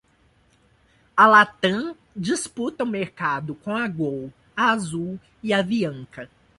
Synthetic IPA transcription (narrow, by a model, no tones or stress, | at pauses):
ɐlat̪ɐ̃ | d͡ʒisput̪ɐʊmeɾkad̪ʊkõaɡow | ɐazuw | iɐviɐ̃kɐ